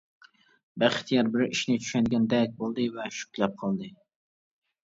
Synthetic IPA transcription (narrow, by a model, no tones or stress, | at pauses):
bæχt̪ʰjɑɾbɪɾiʃnɪt͡ʃʰy̥ʃɛɡʲɛnd̪ɛk̚ʲbolˠd̪ɨvɛʃy̥kʲlɛp̚qʰɑlˠd̪ɨ